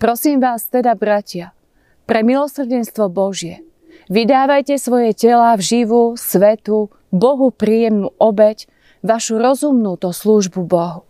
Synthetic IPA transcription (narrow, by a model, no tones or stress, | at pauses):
pɾɔsiːmʋaːst̪ɛd̪abɾacɪa | pɾɛmilɔsr̩ɟɛnst̪ʋɔbɔʒɪɛ | ʋid̪aːʋajcɛsʋɔjɛcɛlavʒiʋusʋɛt̪u | bɔɦupɾiːjɛmnuːʔɔbɛc | ʋaʃuɾɔzumnut̪ɔsluːʒbubɔɦu